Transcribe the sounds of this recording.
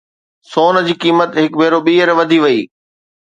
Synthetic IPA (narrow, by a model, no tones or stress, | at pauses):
soːn̆d͡ʑiːkiːmət̪ɦɪkbʱeːɾoɓiːəɾʋɐd̪ʱiʋɐiː